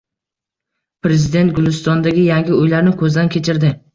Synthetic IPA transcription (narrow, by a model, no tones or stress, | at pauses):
pɾezɪd̪e̞nt̪̚ɡʊlˠɪst̪ɒnd̪aɡʲɪjaŋɡʲɪojlaɾnɪkʰɵzd̪ankʲʰe̞t͡ʃʰɪɾd̪ɪ